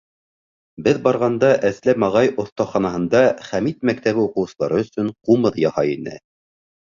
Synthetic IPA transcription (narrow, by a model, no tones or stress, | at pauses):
bɘðbɑɾʁɑnd̪ɑʔæslæmɑʁɑjŏθt̪ɑχɑnɑɦɤ̆nd̪ɑχæmit̪̚mæk̚t̪æβɘuqɤ̆wsɤ̆lˠɑ̰ɾɤɵ̆sɵɴqumɤðjɑhɑinɘ̰